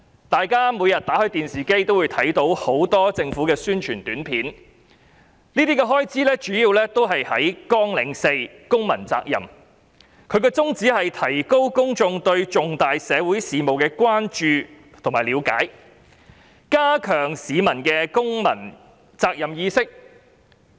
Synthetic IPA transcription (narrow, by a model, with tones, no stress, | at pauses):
t̪aː˨jkaː˥muː˨˧jɐ˨t̚t̪aː˨˥hɵ˧ɥt̪iː˨nsiː˨ke˥jt̪o˥wu˨˧jt̪ʰɐ˨˥jt̪o˨˧˥who˨˥wt̪ɔː˥t͡sɪ˧ŋfuː˨˥kɛː˧syː˥nt͡ʃʰyː˨˩nt̪yː˨˥npʰiː˨˥n | niː˥t̪iː˥kɛ˧ɦɔː˥jt͡siː˥lɛː˥t͡ʃyː˨˥ji˨˧wlɛː˥t̪o˥wɦɐ˨jhɐ˨˥jkɔː˥ŋlɪ˨˥ŋse˧j | kʊ˥ŋmɐ˨˩nt͡sa̰ː˧k̚jɐ̰˨˩m | kʰɵ˨˧ɥkɔː˧t͡sʊ˥ŋt͡siː˨˥hɐ˨jt̪ʰɐ˨˩jko˥wkʊ˥ŋt͡sʊ˧ŋt̪ɵ˧ɥt͡sʊ˨ŋt̪aː˨jsɛː˨˧wuː˨˥jsiː˨mo˨wkɛː˧kʷwaː˥nt͡ʃyː˨˧ | t̪ʰʊ˨˩ŋmaː˨˩jliː˨˧wka̰ː˨˥j | kaː˥kʰœː˨˩ŋsiː˨˧mɐ˨˩nkɛː˧kʊ˥ŋmɐ̰˨˩n | t͡saː˧k̚jɐ˨˩mjiː˧sɪ˥k̚